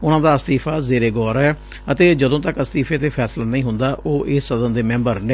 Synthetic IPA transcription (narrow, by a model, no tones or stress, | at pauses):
ʊnãːd̪aːəst̪iːpʰaːzeːɾeːɡɔːɾɛː | ət̪eːd͡ʒəd̪õːt̪əkəst̪iːpʰeːt̪eːpʰɛːslaːnəĩːɦʊnd̪aːʔoːʔɪːsːəd̪ənd̪eːmɛ̃ːmbəɾne